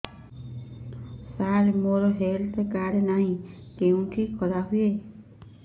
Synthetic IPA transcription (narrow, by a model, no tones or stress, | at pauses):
saɾemoɾɔɦelt̪ekaɾenaɦĩkeũʈʰikʰɔɾaɦuje